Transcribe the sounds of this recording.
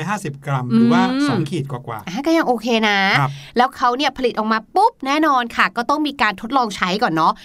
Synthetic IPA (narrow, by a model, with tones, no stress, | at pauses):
jɦaː˥˩si˨˩p̚kɾa˧mʔɾɯɯː˨˦˧waː˥˩sɔː˨˦ŋkʰiː˨˩t̪̚kwaː˨˩kwa̰ː˨˩ʔaː˧˩kɔː˥˩ja˧ŋʔoː˧kʰeː˧na˦˥˧lɛː˦˥wkʰa˦˥wni˥˩ɐpʰa˧li˨˩t̪̚ʔɔː˨˩kmaː˧pu˦˥p̚nɛː˥˩nɔː˧nkʰa˥˩kɔː˥˩t̪ɔ˥˩ŋmiː˧kaː˧nt̪ʰo˦˥t̪̚lɔː˧ŋt͡ɕʰa˦˥jkɔː˨˩nːɔ˦˥